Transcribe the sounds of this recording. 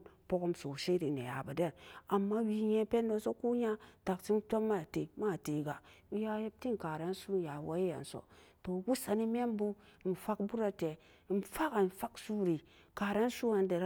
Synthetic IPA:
po˦ko˦mso˨ʃi˦ɾi˨nḛ˨ja̰˨ba˨de˦˨na˨mːa˦wi˦ɲe˦pe˦nːo˦so˦ku˦ɲa˦ta˨kt͡ʃi˦nto˦mːa˦a˨te˨ma˦˨te˨ɡa˨˦ja˦je˦b̚ti˦nka˨ɾe˦nsu˦˨ja˨wa˦ji˦ja̰˨n˨so̰˨to˨ɡu˦sa˨ni˦me˦mbu˦˨n˨fa˦kbu˦ɾa˦te˨ | n˨fa˦ka˨n˨fa˦ksu˦ɾi˨ | ka˨ɾe˦nsu˦a˨n˦de˨ɾ

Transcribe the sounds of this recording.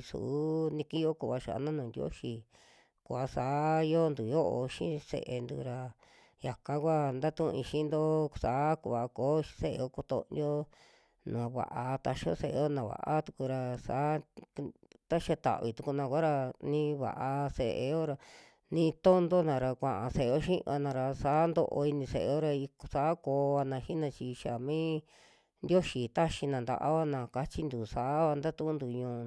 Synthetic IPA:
sṵ˨˦nĩ˧ki˦jo˦ku˧˨βa˧ʃa̰˨˧nã˦nũː˨˧nd̪jo̰˦ʃi˧ | ku˧˨a˧saː˨˦jo˦nd̪u˨jo˦ʔo̰˧ʃḭ̃˦sḛ˧˨ʔe˧nd̪ṵ˧ɾa˧ | ja˨kã˧˦kʷa˦nd̪a˦t̪ũ˦˧ĩ˧ʃĩ˦nd̪o˦saː˨˦ku˧˨βa˨˧ko̥ː˨˦˧se˦ʔḛ˧o˦ko˧t̪o̰˧njo˦ | nũ˨a˧βa̰˨ʔa˧t̪a˧ʃo̰˦se˧˨e˧jo˦nã˨βa̰˨ʔa˦t̪u˧ku˧ɾa˧sa˨˦ | t̪a˦ʃa˧t̪a̰˨ʔβi˨˧t̪u˧ku˧nã˧kʷa˦ɾa˧nĩ˦˧βa̰˨ʔa˧se˧ʔḛ˧o˦ɾa˧ | nĩ˧t̪o˦nd̪o˦nã˧ɾa˧kʷã˨ʔã˧se˧ʔe˧o˦ʃĩ˦ʔa̰˧nã˧ɾa˧sa˨˦nd̪o˧ʔo̰˧i˧nĩ˧se˧ʔe˧o˦ɾa˧i˧ksa˨˦koː˧˦a˧nã˧ʃi˦nã˧t͡ʃi˧ʃa˨mĩː˦ | nd̪ʲjo˦ʃi˧t̪a˦ʃi˧nã˨nd̪a̰˧ʔa̰˦βa˦nã˧˨ka˧t͡ʃi˦nd̪u˨sa˨˦βa˧nd̪a˦t̪ũ˦nd̪u˧ɲũː˧

